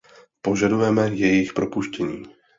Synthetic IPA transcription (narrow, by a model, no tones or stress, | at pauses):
po̞ʒadujɛmɛjɛjɪxpɾʔo̞puʃcɛɲiː